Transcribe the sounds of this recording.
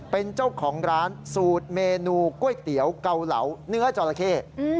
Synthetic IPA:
pe˧nt͡ɕa˥˩wkʰɔː˩˦ŋɾaː˦˥nsuː˨˩t̪̚meː˧nuː˧ku˥˩əjt̪i˩˦əwka˧wla̰˩˦wnɯ˦˥ɐt͡ɕɔː˧la˧kʰeː˥˩˧

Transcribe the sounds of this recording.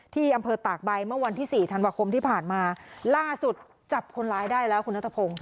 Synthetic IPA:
t̪ʰiː˥˩ʔa˧mpʰɤː˧t̪aː˨˩k̚ba˧jmɯ˥˩ɐwa˧nt̪ʰiː˥˩siː˨˩t̪ʰa˧nwaː˧kʰo˧mt̪ʰiː˥˩pʰaː˨˩nmaː˧laː˥˩su˨˩t̪̚ | t͡ɕa˨˩p̚kʰo˧nlaː˦˥jdaː˥˩jlɛː˦˥wkʰu˧nːa˦˥t̪ʰːa˧pʰo˧ŋ

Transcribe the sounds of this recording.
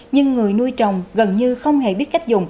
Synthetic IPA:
ɲɨ˧ŋːɨ˨˩əjnu˧əjt͡ɕɔ˨˩wŋ͡mɣə˨˩nɲɨ˧xə˧wŋ͡mɦe˧˩ɓi˦˥ət̚ka˦˥jk̟̚zʊ̰˨˩ŋ͡m

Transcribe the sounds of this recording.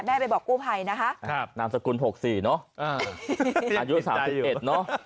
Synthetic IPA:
mɛː˥˩pa˧jbɔː˨˩kːuː˥˩pʰa˧jna˦˥kʰa˦˥ʔʰnaː˧˥msa˧ku˧nɦo˨˩k̚siː˨˩nɔ˦˥ʔʔaː˧˩ | ʔaː˧ju˦˥saː˩˦msi˨˩ʔe˨˩t̪̚nɔ˦˥ʔ

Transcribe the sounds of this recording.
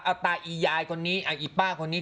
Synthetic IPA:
ʔa˧˩t̪aː˧ʔiː˨˩jaː˧jkʰo˧nːiː˦˥ʔa˨˩ʔiː˨˩paː˥˩kʰo˧nːiː˦˥

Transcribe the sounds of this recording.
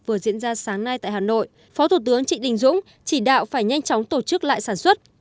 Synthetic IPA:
vɨ˨˩əzḭ˧˨ənzaː˧saː˨˦ŋna˧jt̪a̰ː˧˨jhaː˨˩no̰˧˨j | fɔ˨˦t̪ʰu˧˩t̪ɨ˨˦əŋt͡ɕḭ˧˨ɗï˨˩ŋ̟zʊ̰˧˥ŋ͡m | t͡ɕi˧˩ɗa̰ː˧˨wfaː˧˩jɲa˧jŋ̟t͡ɕɔ˨˦wŋ͡mt̪o˧˩t͡ɕɨ˦˥k̚la̰ː˧˨jsaː˧˩nswə˦˥t̚

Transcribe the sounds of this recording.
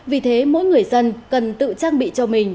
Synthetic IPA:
vi˨˩t̪ʰe˨˦mo̰˧˥jŋɨ˨˩əjzə˧nkə˨˩nt̪ɨ̰˧˨t͡ɕaː˧ŋɓḭ˧˨t͡ɕɔ˧mï˨˩ŋ̟

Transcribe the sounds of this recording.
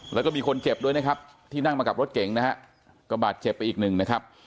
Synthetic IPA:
lʔɛ˦˥kɔ˥˩miː˧kʰo˧nt͡ɕe˨˩p̚du˥˩əjna˦˥kʰp̚t̪ʰiː˥˩na˥˩ŋmaː˧ka˨˩p̚ɾo˦˥t̪̚ke˩˦ŋna˦˥ha˦˥ʔ | kɔ˥˩baː˨˩t̪̚t͡ɕe˨˩pːa˧jʔiː˨˩k̚nɯ˨˩ŋna˦˥kʰa˦˥p̚

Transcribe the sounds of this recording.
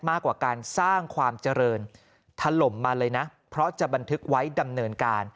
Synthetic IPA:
maː˥˩kːwaː˨˩kaː˧nsaː˥˩ŋkʰwaː˧mt͡ɕa˧ɾɤː˧n | t̪ʰa˧lo˨˩mːaː˧lɤː˧jna˦˥pʰɾɔ˦˥t͡ɕa˨˩ba˧nt̪ʰɯ˦˥k̚wa˦˥jda˧mnɤː˧nkaː˧n

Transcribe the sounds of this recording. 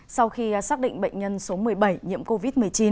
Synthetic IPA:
sa˧wxi˧˨˩saː˦˥k̚ɗḭ˧˨ŋ̟ɓə̰˧˨jŋ̟ɲə˧nso˨˦mɨ˨˩əjɓə˧˩jɲḭ˧˥əmko˧vi˦˥t̚mɨ˨˩əjt͡ɕi˨˦n

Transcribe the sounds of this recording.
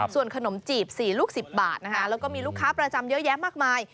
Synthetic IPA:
su˨˩ənkʰa˧no˩˦mt͡ɕiː˨˩p̚siː˨˩luː˥˩k̚si˨˩p̚baː˨˩t̪̚na˦˥kʰa˦˥ʔlɛː˦˥wkɔː˥˩miː˧luː˥˩kʰːaː˦˥pɾa˧t͡ɕa˧mjɤ˦˥ʔjɛː˦˥maː˥˩k̚maː˧j

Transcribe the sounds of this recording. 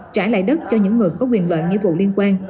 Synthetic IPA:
t͡ɕaː˧˩la̰ː˧˨jɗə˦˥t̚t͡ɕɔ˧ɲɨ̰˧˥ŋːɨ˨˩əjkɔ˨˦kwi˨˩ənlwə̰ː˧˨nŋḭ˧vṵ˧˨li˧ənkwaː˧n

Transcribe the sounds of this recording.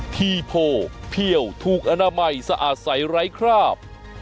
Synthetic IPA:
t̪ʰiː˧pʰoː˧pʰi˧˩əwt̪ʰuː˨˩k̚ʔa˧naː˧ma˧jsa˧ʔaː˨˩t̪̚sa˩˦jɾa˦˥jkʰɾaː˥˩p̚

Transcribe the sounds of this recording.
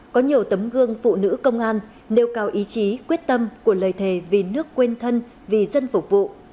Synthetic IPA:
kɔ˨˦ɲi˨˩əwt̪ə˨˦mɣɨ˧əŋfṵ˧˨nɨ̰˧˥kə˧wŋ͡mʔaː˧nː | e˨˧˩wkaː˧˩wʔi˨˦t͡ɕi˨˦kwi˦˥ət̚t̪ə˧mku˧˩ələː˨˩jt̪ʰe˧˩vi˨˩nɨ˦˥əkːwe˧nt̪ʰə˧n | vi˨˩zə˧nfʊ˨˩k͡p̚vṵ˧˨

